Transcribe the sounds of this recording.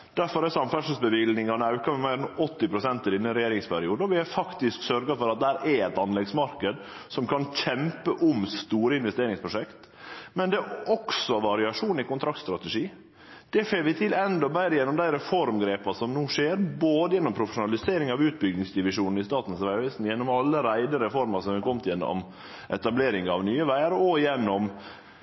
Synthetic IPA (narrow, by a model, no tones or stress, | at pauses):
d̪̥æɾfɔɾɛsɑmfæʂəlsbəʋɪlnɪŋɑnəɑʉkɑmɛmæɪɾɛnɔt̪ːɪpɾʊsɛnt̪əɾɪnːənɾɛjeːɾɪŋspʰæɾɪuːd̪ɔʋɪhæfɑkt̪ɪsksœɾɡɑfɔɾɑt̪̚d̪æhæːɾʔɛɛt̪ɑnlɛɡsmɑɾkəd̪ | sɔmkʰɑnc͡çʰɛmpəʔʊmst̪uːɾəɪnʋɛst̪eːɾɪŋspʰɾʊʂɛkt̪ | mɛnd̪ɛɔksɔʋɑɾɪɑʂuːnɪkʊnt̪ʰɾɑk̚t̪st̪ɾɑt̪ɛʂiː | d̪̥ɛfeːʋɪt̪ʰɪlɛnd̪ɔbæɪɾəjɛnːɔmd̪æɪɾɛfɔɾmɡɾeːpɑsɔmnuːʂeːɾboːd̪əjɛnːɔmpʰɾʊfəʃʊnɑlɪseːɾɪŋɑʋʉːt̪̚bʏɡnɪŋsd̪ɪʋɪʂuːnn̩ɪst̪ɑːt̪n̩sʋæɪʋɪsn̩jɛnːɔmɑlːəɾæɪd̪əɾɛfɔɾmɑsɔmɛkɔmt̪jɛnːɔ̰m | ʔɛt̪ɑbleːɾɪŋɑʋnyːəʋæɪəɾɔjɛnːɔm